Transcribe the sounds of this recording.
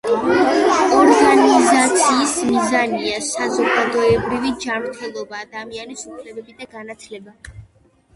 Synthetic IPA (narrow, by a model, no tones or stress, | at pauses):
ɔɾɡanizat̪sʰiːsmizaniasazɔɡad̪ɔɛbɾivid͡ʒamɾt̪ʰɛlˠɔbaːd̪amianisupʰlɛbɛbid̪aɡanat̪ʰlɛba